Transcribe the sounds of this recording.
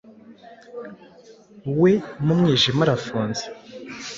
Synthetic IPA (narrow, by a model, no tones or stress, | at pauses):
wemumŋiːʒimaɾafuːnze̥